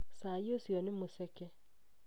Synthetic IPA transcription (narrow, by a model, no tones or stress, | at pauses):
sajosjɔnɪmosɛkɛ